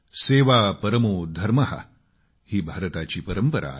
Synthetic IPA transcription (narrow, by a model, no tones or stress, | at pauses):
seːʋapəɾəmoːd̪ʱɐɾmɐɦa̰ | hiːbʱaɾət̪at͡ɕiːpəɾəmpəɾa̰